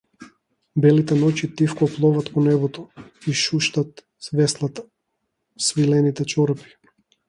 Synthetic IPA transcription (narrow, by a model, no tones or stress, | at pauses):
bɛlit̪ɛnɔcit̪ifkɔplˠɔvat̪pɔnɛβɔt̪ɔiʃuʃt̪at̪ | vɛslˠat̪ḁ | svilɛnit̪ɛt͡ʃɔɾɛpi̥